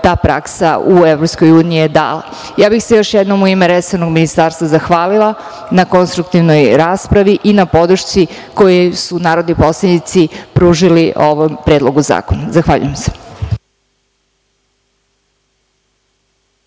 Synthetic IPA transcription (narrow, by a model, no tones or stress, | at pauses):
t̪aːpɾa̰ksauevɾopsko̞juːniied̪a̰ːlˠa̰ | jaːbixsejo̞ʃjɛd̪nomuimeɾesenoɡminist̪aːɾst̪ʋazaxʋaːlilˠa | nako̞nst̪ɾukt̪iʋno̞jɾaːspɾaʋiʔinapo̞d̪ɾuʃt͡s̪i | ko̞jesunaːɾo̞d̪nipo̞slˠanit̪sipɾuːʒiliʔoʋompɾed̪lˠo̞ɡuza̰ːkonazaxʋaːʎṵjemse̥